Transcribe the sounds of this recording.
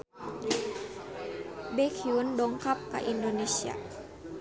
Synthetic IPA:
bekʰiundɔŋkap̚ka̰ʔindonesia̰

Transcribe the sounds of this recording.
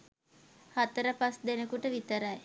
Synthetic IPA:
hat̪əɾəpasd̪enəkuʈəʋit̪əɾaj

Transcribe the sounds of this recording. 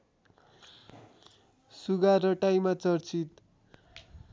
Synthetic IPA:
suɡaɾʌʈajmat͡sʌrt͡sʰit̪

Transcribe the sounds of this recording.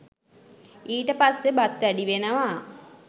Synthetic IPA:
iːʈəpasːebat̪ʋæɖiʋenəʋa

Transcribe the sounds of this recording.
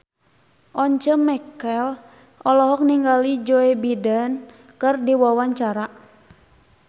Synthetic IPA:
ʔɔɲt͡ʃəmɛkɛl | ɔlɔɦɔk̚niŋɡalid͡ʒoebidən | kɨrdiwawaɲt͡ʃaɾa

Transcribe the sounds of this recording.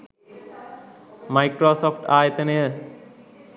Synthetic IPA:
majkɾosoːfʰʈaːjet̪ene

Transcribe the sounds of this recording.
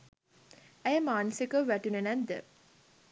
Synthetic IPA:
æjəmaːnəsikəʋæʈunenænd̪ə̰

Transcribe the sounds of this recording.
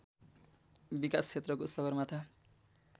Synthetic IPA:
bikaskʰet̪rʌkosʌɡʌrmat̪ʰa

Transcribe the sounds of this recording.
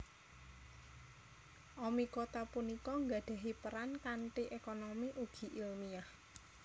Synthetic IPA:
ʔɔmikot̪apunikɔŋɡaɖ̥a̤ɦipəɾankaɳʈiʔekonomiʔuɡ̥i̤ʔilmiah

